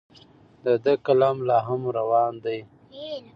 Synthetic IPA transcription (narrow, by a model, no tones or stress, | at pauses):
d̪əd̪əkalɑmlɑːɦamɾawɑnd̪aj